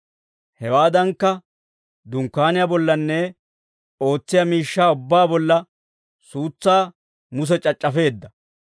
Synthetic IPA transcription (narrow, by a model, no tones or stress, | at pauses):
hɛwaːd̪ɐŋkːɐ | d̪ʊŋkːaːnɪjabɔlːɐnːɛ | o̞ːt͡sːɪjamiːʃːaːʊbːaːbɔlːɐ | suːt͡sːaː | mʊs̬ɛt͡ʃʼɐt͡ʃʼːɐfe̞ːd̪ːɐ